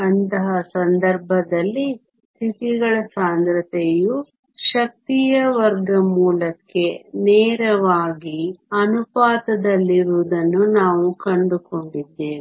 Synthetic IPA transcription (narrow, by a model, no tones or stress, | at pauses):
ɐnt̪ɐɦɐsɐnd̪ɐɾbʱɐd̪ɐlːi | t̪ʰit̪iɡɐɭɐsaːnd̪ɾɐt̪eju | ʃɐk̚t̪ijɐʋɐɾɡɐmuːlɐkːe̞nɛːɾɐʋaːɡiɐnupaːt̪ɐd̪ɐlːiɾuːd̪ɐnːunaːʋukɐɳɖuko̞ɳɖid̪ːeːʋ